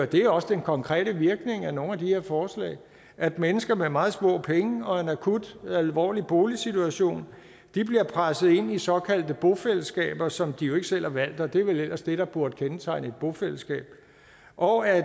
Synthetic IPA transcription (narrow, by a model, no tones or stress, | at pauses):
d̥e̝æɒ̽səd̥enkʰɒ̽ŋkʰʁɛ̰ːɾ̥əʋiɐɡ̥ne̝ŋæno̝ːnæd̥ihe̝ɐfɒːslɛ̰ɪ | ʔæd̥menəsɡ̥ɐmemɑ̈ːð̞̩ˠsmɔ̰ɐ̰ːpʰeŋəɒ̽e̝nækʰud̥ælʋɒ̰ːlib̥o̝ːlisit͡sʰuæɕo̝̰ːn | d̥ib̥liɐpʰʁasð̩ˠe̝n̰isɒ̽kʰæl̰d̥əb̥o̝feləsɡ̥ɛ̰ːb̥ɐsɒ̽md̥ijo̝e̝ɡ̥əsel̰hɑ̈ʋæl̰d̥ɒ̽d̥e̝æɐʋelel̰ʔɐsd̥e̝ɾ̥ɑ̈b̥uɐd̥̚kʰent͡sʰɑ̈ɪne̝d̥̚b̥o̝fel̰əsɡ̥ɛ̰ːb̥̚ | ʔɒ̽æ